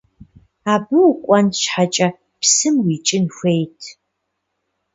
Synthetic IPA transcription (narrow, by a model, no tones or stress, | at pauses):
aːbɨwkʷʼɔnʃħat͡ʃʼɐ | psɨmwit͡ʃʼɪnxʷejtʰ